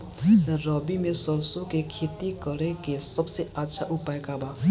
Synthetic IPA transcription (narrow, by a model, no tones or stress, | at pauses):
rʌbimesʌɾsokekʰet̪ikʌɾekesʌbsʌjatːsʰaʔupajkaba